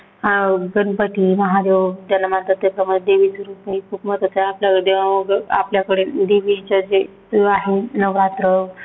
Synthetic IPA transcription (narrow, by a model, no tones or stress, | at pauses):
ɡənpəʈiməɦad̪eʋd͡ʑ̪alːamãnt̪ət̪ːəkəməd̪eʋisəɾupekʰuːpmət̪ət͡saapljakəɽeəɡəa̰pljakəɽed̪eʋit͡ɕad͡ze | aɦenəʋɾat̪ɾə